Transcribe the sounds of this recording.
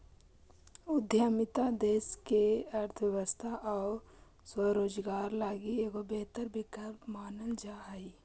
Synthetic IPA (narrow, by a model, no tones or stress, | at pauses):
ʊd̪ʱjaːmɪt̪ad̪eːskeɐɾt̪ʰʋjəʋəst̪ʰaʔɔː | swəɾoːd͡ʒɡaːɾlaːɡieːɡobeɦt̪əɾbʱikəpmaːnəld͡ʒaːai